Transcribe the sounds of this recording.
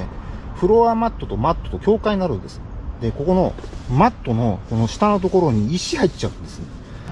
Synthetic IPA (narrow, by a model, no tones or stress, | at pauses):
eɸɯ̟ɾo̞amat̪ːo̞t̪o̞mat̪ːot̪o̞kʲo̞ːkaiɲinaɾɯ̟nd̪e̞sɨ̥d̪e̞ko̞ko̞no̞mat̪ːo̞no̞ko̞no̞ɕi̥t̪ano̞t̪o̞ko̞ɾo̞ɲ̟iiɕihait͡ɕaɯ̟̃nd̪e̞sɨne